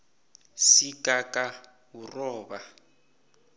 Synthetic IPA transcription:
sikʼakʼa | urɔːba

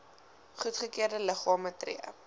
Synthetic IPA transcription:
χutχəkiərdələχɑːmətrḭəə̰

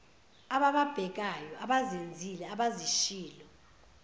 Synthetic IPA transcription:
aɓaɓab̥ʱɛk̬ajɔaɓazend͡zʱilɛaɓaziʃiːlɔ

